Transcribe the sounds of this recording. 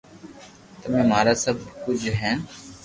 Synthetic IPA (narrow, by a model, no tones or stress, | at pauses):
t̪əmẽːmaːɾaːsəbʱkʊd͡ʒɦɛ̃ːn